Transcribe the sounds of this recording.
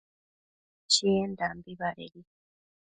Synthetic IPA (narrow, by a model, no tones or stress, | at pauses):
t͡ʃiendambiβaɾḛɾi